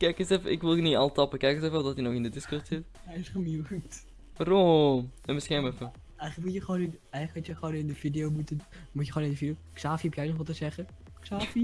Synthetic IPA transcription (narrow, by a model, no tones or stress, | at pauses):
kɛjkəsɛfəʔɪkʋɪlˠəniɑlˠtɑpəkɛjkəsɛfɛlˠdɔtinoxɪndədɪskɔtsɪt | ɛjɪsχəmiwkt | romɛnmɪsɛmɛfə | ɛjχələkmutjəχəʋoːnɪnɛjχəkutjəχəʋoːnɪndəvidijowmutən | mutjəχoːnɪndəfidijoksaːfiupjɛjnɔχʋɔlˠtəzɛχə | ksaːfi